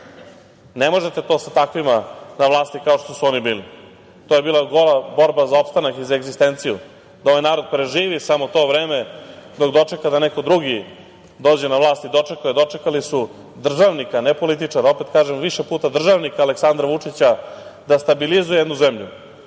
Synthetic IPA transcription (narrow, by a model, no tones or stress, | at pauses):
nemo̞ʒet̪e̞t̪o̞ːsat̪akʋimanaʋlˠaːst̪ikao̞ʂt̪o̞suo̞nibiːli | t̪o̞ːje̞biːlˠaɡo̞labo̞ɾbazao̞pst̪anakizaeɡzist̪e̞nt̪siju | d̪aoʋajnaːɾo̞d̪̚pɾeʒiːʋisamot̪o̞ːʋɾe̞ːmed̪o̞kd̪o̞t͡ʂe̞kad̪aneko̞d̪ɾuɡi | d̪o̞ːd͡ʑenaʋlˠaːst̪id̪o̞t͡ʂe̞kujed̪o̞t͡ʂe̞kalisu | d̪r̩ʒaʋnikanepo̞lit̪̬it͡ʂaɾao̞pet̪kaːʒemʋiʃepuːt̪ad̪r̩ʒaʋnikaːleksand̪ɾaʋut͡ʂit͡ɕad̪ast̪abilizujed̪nuzemʎu